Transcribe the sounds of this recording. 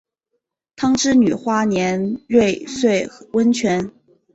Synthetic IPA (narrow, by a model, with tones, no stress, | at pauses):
t̪ʰɑ˥ŋʈ͡ʂɻ̩˥ny˨˩xwa˥njɛ˧˥nɻwe˥˧ɪswe˥˩ɪwə˥nt͡ɕʰɥɛ˧˥n